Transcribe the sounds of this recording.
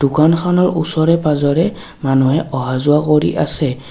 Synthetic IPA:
d̥ʊkankʰanɔɹusɔɹɛpazɔɹɛ | manuɦɛʔɔɦazʊakoɹḭʔasɛ

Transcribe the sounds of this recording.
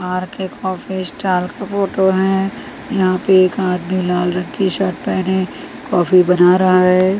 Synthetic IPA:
aːɾkekɔːfisʈaːlkafoːʈoɦɛ̃ | jɐɦãpeeːkaːd̪milaːlɾə̃nkiʃəʈ̚pɛːne | kɔːfibɐnaɾɐɦaɦɛː

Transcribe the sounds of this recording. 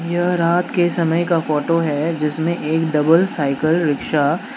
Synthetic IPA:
jɐɦɾaːt̪kesɐməjkafɔːʈoɦɛd͡ʒɪsmẽʔeːkɖɐbəlsaːɪkəlɾɪkʃa

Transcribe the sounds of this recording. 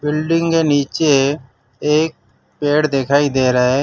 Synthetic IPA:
bɪlɖɪ̃ŋkeːniːt͡ʃe | eːk̚ | peːɽd̪ekʰaːid̪eːɾəeː

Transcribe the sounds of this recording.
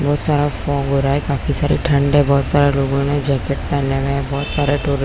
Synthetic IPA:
bɔːt̪saːɾafɔːkɦoːɾaːekaːfisaːɾḭʈʰə̃ɳɖɛbɔːt̪saːɾeloːɡõmẽd͡ʒɛːkeʈ̚pɛːnemẽbɔːt̪saːɾeʈoːɾɪ

